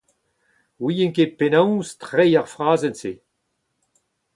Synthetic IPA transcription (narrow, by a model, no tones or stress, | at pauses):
wijɛ̃ŋkepenãwstʁɛjaʁfʁaːzɛnse